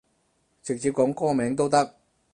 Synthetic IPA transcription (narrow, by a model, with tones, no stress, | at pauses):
t͡sɪ˨k̚t͡siː˧p̚kɔː˨˥ŋkɔː˥mɛː˨˥ŋt̪̬o˥wt̪ɐ˥k̚